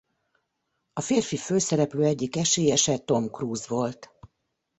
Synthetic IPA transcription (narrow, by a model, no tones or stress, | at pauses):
ɒfeːrfiføːsɛɾɛpløːɛɟːikɛʃeːjɛʃɛt̪o̞mkruːzʋo̞lt̪